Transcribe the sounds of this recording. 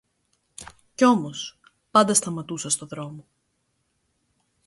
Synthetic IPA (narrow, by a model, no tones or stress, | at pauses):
ceo̞mo̞s | pɐnd̪ɐst̪ɐmɐt̪usɐst̪o̞ðɾo̞mo